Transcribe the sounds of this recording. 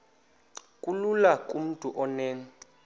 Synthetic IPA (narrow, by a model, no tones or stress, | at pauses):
kʼululakʼum̩tʼuʔɔnɛːŋ̩